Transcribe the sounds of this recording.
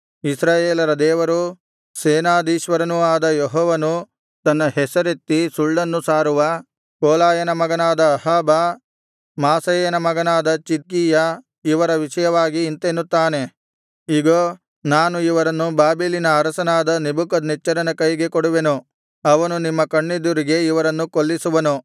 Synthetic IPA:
isɾaːjeːlɐɾɐd̪ɛːʋɐɾu | seːnaːd̪iːʃʋɐɾɐnuaːd̪ɐjɔɦɔːʋɐnu | t̪ɐnːɐɦɛsɐɾet̪ːisuɭːɐnːusaːɾuʋɐ | koːlaːjɐnɐmɐɡɐnaːd̪ɐːɦaːbɐ | maːsɐjenɐmɐɡɐnaːd̪ɐt͡ʃit̪̚kiːjɐ | iʋɐɾɐʋiʂɐjɐʋaːɡiːnt̪enːut̪ːaːne̞ | iɡo | naːnuiʋɐɾɐnːubaːbiːlinɐːɾɐsɐnaːd̪ɐnibukɐd̪nit͡ʃːɐɾɐnɐkɐjɡe̞koɽuʋe̞nu | ɐʋɐnunimːɐkɐɳːid̪uɾiɡe̞iʋɐɾɐnːukolːisuʋɐnu

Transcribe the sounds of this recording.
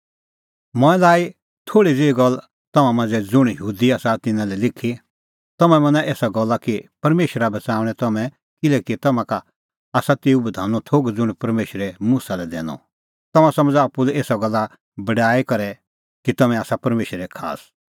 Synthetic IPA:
mɔ̃ɛ̃laːi | t̪ʰoːɽid͡zeːɡɔl | t̪ɐmãmãnd͡zɛd͡zʊɽ̃jɦuːd̪iaːsat̪ɪnãlɛlɪkʰːi | t̪ɐmɛ̃mɐ̃naʔeːsaɡɔlːakipɐɾmeːʃəɾabɐt͡saːʊɽ̃ɛt̪ɐmɛ̃ | kɪlɛkit̪ɐmãka | aːsat̪eːubɐd̪ʱaːnɔt̪ʰoːɡd͡zʊɽ̃pɐɾmeːʃəɾɛmuːsalɛd̪ɛ̰ːñɔ̰ | t̪ɐmãsɐ̃məd͡zaːpːulɛeːsaɡɔlːa | bɐɖaːikɐɾɛ | kit̪ɐmɛ̃aːsapɐɾmeːʃəɾɛkʰa̰ːs

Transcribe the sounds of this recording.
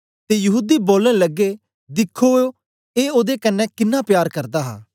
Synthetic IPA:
t̪eːjɐɦuːd̪iːboːlẽləɡːe | d̪ɪkʰːoːoː | eːoːd̪ekənːɛ̃ːkɪnːãːpjaːɾkəɾd̪aːɦa̰ː

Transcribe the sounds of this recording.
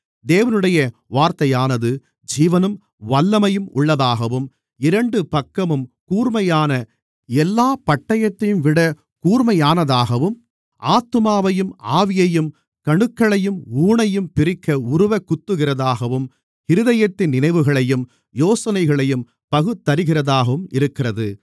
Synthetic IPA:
d̪eːʋɐnɯɽɐjɐʋaːɾt̪ɐjaːnɐðɯ | d͡ʒiːʋɐnɯm | ʋɐlːɐmɐjɯmʊ̰ɭːɐðaːɣɐʋɯm | ɪɾɐɳɖɯpɐkːɐmɯmkuːrmɐjaːnɐ | ɛlːaːpɐʈːɐjɐt̪ːɐjɯmʋɪɽɐ | kuːrmɐjaːnɐðaːɣɐʋɯm | ʔaːt̪ːɯmaːʋɐjɯmaːʋɪjɐjɯm | kɐɳɯkːɐɭɐjɯmuːɳɐjɯmpɪɾɪkːɐʊɾɯʋɐkːʊt̪ːɯɣɪrɐðaːɣɐʋɯm | hɪɾɯðɐjɐt̪ːɪnːɪnɐɪʋɯɣɐɭɐjɯm | joːsɐnɐɪɣɐɭɐjɯm | pɐɣɯt̪ːɐɾɯɣɪrɐðaːɣɐʋɯmɪ̰ɾɯkːɪrɐðɯ

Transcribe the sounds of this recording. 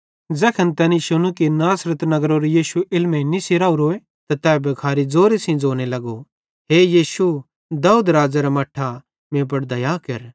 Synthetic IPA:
d͡zɛːkʰɐnt̪ɛːniʃʊnukinaːsɾət̪nɐɡɾoɾejiːsuʔɪlmẽnisɪɾaːuɾoːe | t̪at̪ɛːbɐkʰaːɾid͡zoːɾesĩd͡zoːñelɐɡo | ɦeːjiːsu | d̪aːuːd̪ɾaːd͡zaɾamɐʈʰːa | mẽːp̬ɐɽd̪ɐjaːkɐɾ

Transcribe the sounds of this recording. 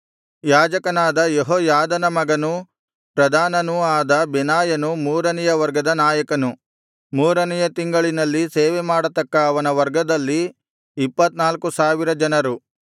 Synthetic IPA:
jaːd͡ʒɐkɐnaːd̪ɐjeɦɔːjaːd̪ɐnɐmɐɡɐnu | pɾɐd̪ʱaːnɐnuaːd̪ɐbɛnaːjɐnumuːɾɐnɛjɐʋɐɾɡɐd̪ɐnaːjɐkɐnu | muːɾɐnɛjɐt̪iŋɡɐɭinɐlːiseːʋemaːɽɐt̪ɐkːɐːʋɐnɐʋɐɾɡɐd̪ɐlːiː | pːɐt̪naːlkusaːʋiɾɐd͡ʒɐnɐɾu

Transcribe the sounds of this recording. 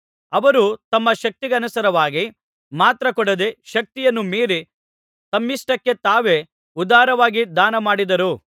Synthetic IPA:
ɐʋɐɾut̪ɐmːɐʃɐk̚t̪iɡɐɐnusɐɾɐʋaːɡi | maːt̪ɾɐkɔɽɐd̪eʃɐk̚t̪ijɐnːumiːɾi | t̪ɐmːisʈɐkːe̞t̪aːʋe̞ | ud̪aːɾɐʋaːɡid̪aːnɐmaːɽid̪ɐɾu

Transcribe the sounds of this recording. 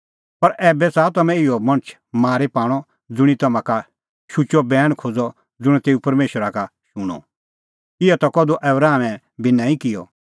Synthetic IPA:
pɐɾʔɛːbɛsaːt̪ɐmɛ̃ɪjɔmɐ̃ɽ̃t͡ʃʰ | maːɾepaːɽ̃ɔ | d͡zʊɽ̃it̪ɐmãka | ʃʊt͡ʃɔbɛːɽ̃kʰoːd͡zɔ | d͡zʊɽ̃ɛt̪eːupɐɾmeːʃəɾakaʃʊɽ̃ɔ̰ | ɪjɔt̪ɐkɔd̪uʔɛːbɾaːmɛ̃ | bɪnãːĩkɪjɔ̰

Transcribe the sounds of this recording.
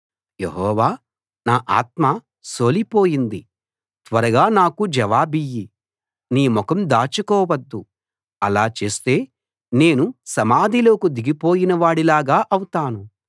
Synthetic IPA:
jḛɦɔːʋaː | naːʔa̰ːt̪̚ma | so̞ːlipo̞ːjind̪i | t̪ʋɐɾɐɡaːnaːkud͡ʒɐʋaːbijːi | niːmɔkɐmd̪aːt͡ʃukɔːʋɐd̪ːu | ɐlaːt͡ʃe̞ːst̪e̞ː | ne̞ːnusɐmaːd̪ilo̞ːkud̪iɡipo̞ːjinɐʋaːɽilaːɡaːʔɐwut̪aːnu

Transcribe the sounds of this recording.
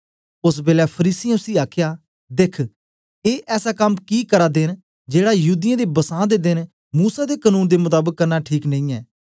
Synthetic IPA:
ʊsbeːlɛːpʰəɾiːsɪãʊsiːaːkʰjaː | d̪ɪkʰ | eːʔɛːsaːkəmkiːkəɾaːd̪ɪn | d͡ʒeːɽaːjuːd̪ɪjãːd̪eːbəsãːd̪eːd̪ɪn | muːsaːd̪eːkənũːnd̪eːmʊt̪aːbəkːəɾnaːʈʰiːknə̃ĩːɛː

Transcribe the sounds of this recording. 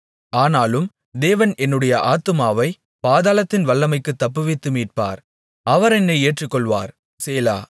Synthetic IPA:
aːnaːlɯm | d̪eːʋɐnɛnːɯɽɐjɐʔaːt̪ːɯmaːʋɐɪ | paːðaːlɐt̪ːɪnʋɐɭːɐmɐɪkːɯt̪ːɐpːɯʋɪt̪ːɯmiːʈ̚pa̰ːɾ | ɐʋɐɾɛnːɐɪeːʈrɯkːɔɭʋa̰ːɾ | seːla̰ː

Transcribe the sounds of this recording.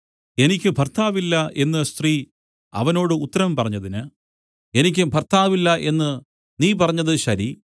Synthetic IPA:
e̞nikʲːɨbʱɐrt̪ʰaːʋilːɐʔe̞nːɨst̪riː | ɐ̰ʋɐno̞ːɽɨut̪ːɐɾɐmpɐrɐɲːɐðinɨ | e̞nik̬ʲːubʱɐrt̪ʰaːʋilːɐʔe̞nːɨ | niːp̬ɐrɐɲːɐðɨɕɐɾi

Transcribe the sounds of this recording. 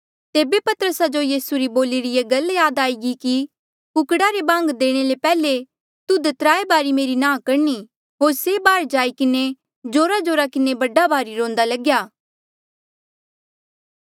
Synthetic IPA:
t̪eːbepɐt̪əɾəsad͡ʒojiːsuɾiboːliɾɪjeɡɐljaːd̪aːiɡiki | kʊkɽaɾebãːŋɡd̪eːɽ̃elepɛːle | t̪ud̪ɐt̪ɾaːebaːɾimeːɾinãːkɐɾni | ɦoːɾsebaːɾd͡ʒaːikɪne | d͡ʒoːɾad͡ʒoːɾakɪnebɐɖabaːɾiɾõːnd̪alɐɡjaː

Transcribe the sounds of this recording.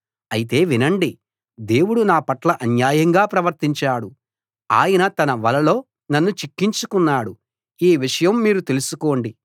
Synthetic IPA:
ɐjit̪̬e̞ːʋinɐɳɖi | d̪e̞ːwuɽunaːpɐʈlɐʔɐnjaːjɐŋɡaːpɾɐʋɐɾt̪iɲt͡ʃaːɽu | a̰ːjɐnɐt̪ɐnɐʋɐlɐlo̞ː | nɐnːut͡ʃikːiɲt͡ʃukunːaːɽu | iːʋiʂɐjɐmːiːɾut̪e̞lusuko̞ːɳɖi

